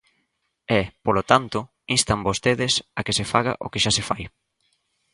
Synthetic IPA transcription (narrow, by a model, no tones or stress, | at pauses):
ɛpolot̪ant̪ʊ | inst̪ambost̪eðɪsakesefaɣ̞a̰ʔo̰kɪʃasefaj